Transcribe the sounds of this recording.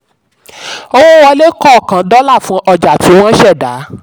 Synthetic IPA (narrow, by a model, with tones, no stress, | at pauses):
o˦wo˦wɔ˧le˦kɔ˦˨kã˨dɔ˦la˦˨fũ˧ʔɔ˧d͡ʒa˨ti˨˦w̃ɔ̃˦ʃɛ˦˨da˨˦